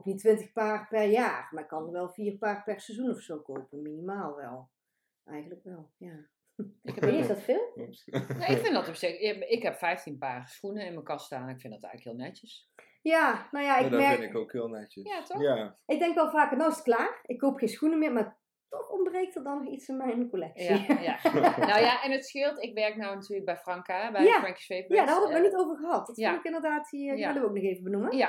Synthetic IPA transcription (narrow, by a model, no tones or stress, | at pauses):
ɔpnitːʋɪntəxpaːrpɛrjaːrmarɪkːɑnəʋɛlˠviːrpaːrpɛrsɛzunɔfsowkowpənminimaːlˠʋɛ̰lˠ | ʔɛjɣəntləkʋɛlˠjaː | ɪkɛpːnsdɔtfɪːlˠnoɪkfɪndɔtɔpsɪɪkɦɛpfɛjftinpaːrsxunəɪnməkɑstaːnnɪkfɪndɔtɛ̰jɣləkhɪːlˠnɛtəs | jaːnowjaɪkdmɛɹkɪkokhɪlˠnɛt͡ʃəjatɔxaɪɡ̚dɛŋkʋɛlˠvaːkənɔnɪsə̥tklaːrɪkːowpxejnsxunəmɪːɹmaːɹ | tɔxɔmbrejk̚tət̚dɑnːɔxitsɪnmɛjnkolɛksianawjaɛnətsxɪlˠtɪkʋɛɹknɔwnatyːɹləɡ̚bɛjfrɑŋkabɛjaɑŋki̥sfejpjaːdaɹɦɑdətmɛːɹnitowvəɹɣəɦɑtdɑtɪnɪkɪndəɹdaːtʋɪɹdəʋəowk̚nɔxejvəbənuməa